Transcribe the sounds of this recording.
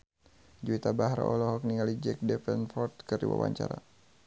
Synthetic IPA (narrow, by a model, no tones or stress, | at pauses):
d͡ʒuit̪abaɦɾa̰ʔɔlɔɦɔk̚niŋalid͡ʒɛk̚dɛpɛnfɔrt̪kɨrdiwa̰wa̰ɲt͡ʃaɾa